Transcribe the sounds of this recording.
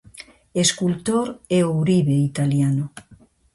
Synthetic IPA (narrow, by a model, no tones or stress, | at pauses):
eskult̪oɾɛowɾiβeit̪aljano